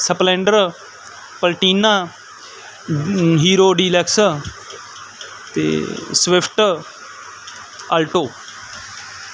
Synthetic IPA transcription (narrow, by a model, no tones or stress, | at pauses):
səplẽːɳɖəɾ | pəlʈiːnaː | ɦiːɾoːɖiːlɛks | t̪ḛːsʋɪpʰʈ | əlʈoː